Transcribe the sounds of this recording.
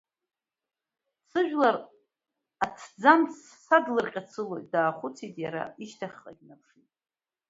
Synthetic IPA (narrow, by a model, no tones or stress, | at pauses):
sʰɨʒᶣlar | at͡sʰd͡zamssadlɨrqʲʼat͡sʰɨlojtʼdaːχʷʊt͡sʰitʼjaɾa̰iʃtʰaχqʼa̰ɡʲnapʰʂitʼ